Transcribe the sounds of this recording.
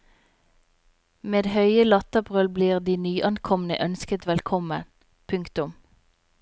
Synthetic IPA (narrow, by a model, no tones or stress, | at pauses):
meːd̪hœʏəlɑt̪əpʁœlbliːʁd̪iːnyːʔɑnkʰɔmn̩ə̰ʔœnskət̪ʋɛlkʰɔmən | pʰʉŋkt̪ʊm